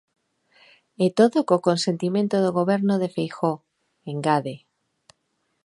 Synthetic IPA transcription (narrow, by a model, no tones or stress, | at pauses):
et̪oðokokonsent̪imẽnt̪oðoɣ̞oβeɾnoðefejxo | eŋɡaðe